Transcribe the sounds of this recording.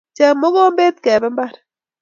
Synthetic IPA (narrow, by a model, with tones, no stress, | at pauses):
t͡ʃa˨mo˦ɣo˦mbe˦t̪kɛ˨bɛ˦mba˦ɾɛ